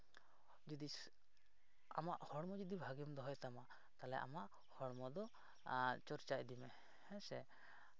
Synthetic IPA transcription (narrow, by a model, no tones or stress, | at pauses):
d͡ʒɔd̪i | a̰maʔhɔɽmɔd͡ʒud̪ibʱaɡijɔmd̪ɔɦɔjt̪ama | t̪alɛ̰ʔa̰maʔ | hɔɽmɔd̪ɔ | t͡ʃɔɾt͡ʃaʔd̪imɛ | hɛsɛ